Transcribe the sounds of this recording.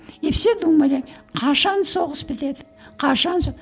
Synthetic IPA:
epsed̪umɑɾʲɑjqʰɑʃɑnso̞ʁəsbɪt̪e̞d̪ɪ̥ | qʰɑʃɑnso

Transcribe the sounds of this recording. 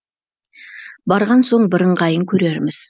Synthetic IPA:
bɑɾʁɑnso̞ɴbɪɾəɴqɑjəŋkʲʰɵɾe̞ɾmɪz̥

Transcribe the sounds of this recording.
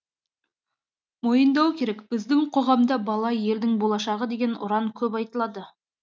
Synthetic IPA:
mojənd̪ɑwkʲʰe̞ɾekb̥ɪzd̪ɪŋqʰo̞ʁɑmd̪ɑbɑlˠɑje̞ld̪ɪŋbolˠɑʃɑʁəd̪e̞ɡʲe̞nʊ̰ɾɑŋkʲʰɵpɑjt̪əlˠɑd̪ə

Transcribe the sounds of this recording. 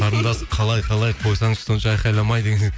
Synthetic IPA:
ɑɾənd̪ɑsəqʰɑlˠɑjqʰɑlˠɑjqʰo̞jsɑɴəz̥so̞nəʃɑɑjqɑjlˠɑmɑjd̪ekʲen

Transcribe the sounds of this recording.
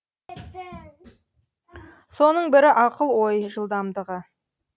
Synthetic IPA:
so̞nəɴbɪɾɪʔɑqəlˠwo̞jʒəlˠd̪ɑmd̪əʁə

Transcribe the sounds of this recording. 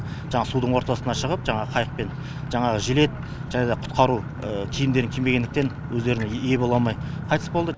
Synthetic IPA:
ʒɑɴɑsud̪əɴwo̞ɾt̪ɑsənɑʃəʁəpʒɑɴɑʁəqʰɑjəq̚pe̞n | ʒ̥ɑɴɑʁəʒɪle̞t̪̚ | ʒæned̪ɑqʰʊ̥t̪̚qɑɾu | əkʲʰijɪmd̪e̞ɾɪŋkʲʰeme̞ɡʲe̞nd̪ɪkt̪e̞n | wɵzd̪e̞ɾɪnɪje̞bo̞lˠɑlˠmɑjqʰɑjt̪əsbolˠd̪ə

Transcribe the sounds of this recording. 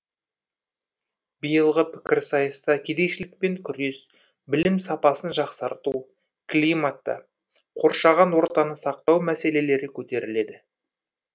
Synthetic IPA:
bijəlˠʁəpʰɪ̥kʲɪɾsɑjəst̪ɑkʲʰe̞d̪e̞jʃɪlɪk̚pe̞ŋkʲʰʏɾe̞s | bɪlɪmsɑpɑsənʒɑqsɑɾt̪u | klimat̪ːə̰ | qʰo̞ɾʃɑʁɑnwo̞ɾt̪ɑnəsɑq̚t̪ɑwmæse̞le̞le̞ɾɪkʲʰɵt̪e̞ɾɪle̞d̪ɪ

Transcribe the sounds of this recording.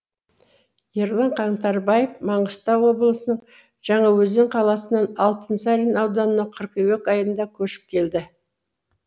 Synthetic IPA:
je̞ɾlˠɑɴqʰɑɴt̪ɑɾbɑjefmɑɴəst̪ɑwo̞blˠəsənəɴ | ʒ̥ɑɴɑwɵzɪɴqʰɑlˠɑsənɑnɑlˠt̪ənsɑɾʲinɑwd̪ɑnənɑqʰəɾqewekɑjənd̪ɑkʲʰɵʃɪ̥p̚kʲʰe̞ld̪ɪ

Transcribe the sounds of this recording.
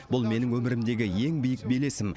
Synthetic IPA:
bʊlˠme̞nɪŋwɵmɪɾɪmd̪e̞ɡʲɪje̞ŋbijɪk̚be̞le̞sɪm

